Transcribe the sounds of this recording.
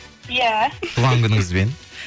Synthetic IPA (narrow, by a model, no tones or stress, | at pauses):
jælˠɑŋɡʲɪnŋɪzben